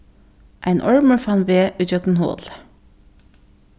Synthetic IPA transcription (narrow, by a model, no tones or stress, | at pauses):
ʔæɪnʔɔɹməɹfɑnʋeːʔʉd͡ʒœk̪n̩ho̰ːl